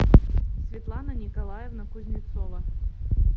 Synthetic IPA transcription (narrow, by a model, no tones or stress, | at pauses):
sʲvʲɪt̪lˠanənʲɪkɐlˠajɛvnɐkʊzʲnʲɪt̪sɔvɐ